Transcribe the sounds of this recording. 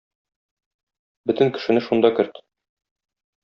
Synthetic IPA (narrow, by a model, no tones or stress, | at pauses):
bɵt̪ɘ̆ŋkɘ̥̆ʃɘ̆nɘʃund̪ɑkɘ̆ɾt̪